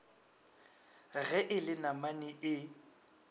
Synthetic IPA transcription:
ɣɛʔɪlɪnamaniʔɪ

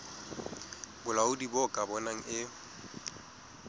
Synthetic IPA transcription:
bʊlaʊdibɔkʼabɔnaŋ̩ɪ

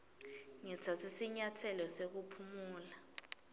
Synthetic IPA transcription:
ŋɛt͡sʰat͡sʰisiɲatʰɛlɔsek̬upʰumuːla

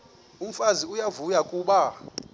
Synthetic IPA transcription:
um̩faziujavujakʼuːɓa

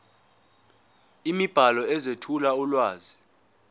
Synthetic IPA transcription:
imib̥ʱalɔɛzetʰulaulwaːzi

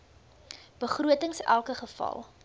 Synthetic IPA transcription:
b̥əχruətəŋsælˠkəχəfɐ̰lˠ

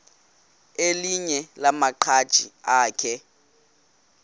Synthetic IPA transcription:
eliɲɛlamaǃʰad̥ʒ̥ʱʼḭaːkʰɛ

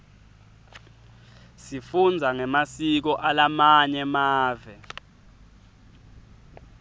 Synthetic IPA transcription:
sifund͡zʱaŋɛmasik̬ɔʔalamaɲɛmaːvɛ

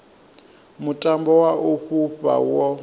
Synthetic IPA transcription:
mutʼambɔwaʔuɸuɸʼa̰wɔ

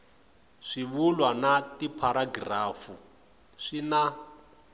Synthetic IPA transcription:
ʂiβulwanatipʰaɾaɡraːfu | ʂina

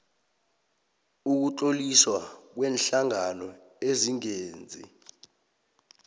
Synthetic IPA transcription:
uk̬utʼoliswak̬wɛːnɬaŋanɔ | eziŋeːnd͡zʱḭ

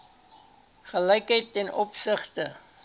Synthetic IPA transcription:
χələjkəjtːɛnɔpsəχtə

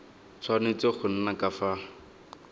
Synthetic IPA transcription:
t͡sʰwanet͡sɔχʊn̩nakafa

